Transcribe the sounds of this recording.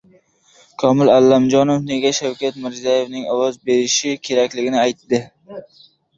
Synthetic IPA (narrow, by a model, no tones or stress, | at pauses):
kʰɒmɪlalːamd͡ʒɒnofne̞ɡʲaʃawkʲat̪mɪɾzijaje̞vnɪŋɒwɒzbeɾɪʃɪkʲʰe̞ɾakʲlɪɡʲɪnɪajt̪ːɪ